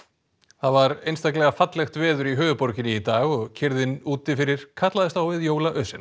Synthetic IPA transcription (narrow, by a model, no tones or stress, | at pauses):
θaðvaɾejnst̪aklɛɣafat̪lɛxt̪vɛːðʏɾiɦœːvʏpɔɾcɪnɪit̪aːɣɔɣcʰɪɾðɪnuːt̪ɪfɪɾɪɾ̥kʰat̪laðɪst̪awvɪðjoːwlaʔœsɪn